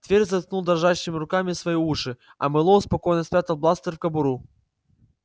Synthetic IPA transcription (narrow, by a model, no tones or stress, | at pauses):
t̪vʲerʲzɐt̪̚knulˠd̪ɐrʐaɕːɨmʲɪɾʊkamʲisvɐjiuʂɨ | ɐ̰mɨlˠɔʊspɐkɔjnɐsʲpʲat̪ɐlˠblˠast̪əɾʲfkɐbʊɾu